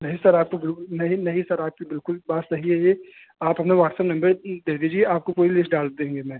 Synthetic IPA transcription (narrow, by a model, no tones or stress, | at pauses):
nɐɦĩsɐɾaːp̚kobɪlkʊlnɐɦĩnɐɦĩsɐɾaːp̚kibɪlkʊlbaːt̪sɐɦiɦɛje | aːpɦɐpneʋaːʈsəpnɐ̃mbəɾd̪eːd̪id͡ʒieaːp̚kopoːɾilɪsʈɖaːld̪ẽːŋɡemɛ̃ː